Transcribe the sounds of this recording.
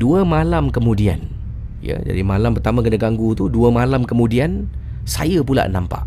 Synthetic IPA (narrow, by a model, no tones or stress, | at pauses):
duəmalamkəmũdian | jə̰d͡ʒa̰dimalampərt̪amãkənaɡaŋɡut̪uduəmalamkəmũdian | sa̰japula̰ʔnampa̰ʔ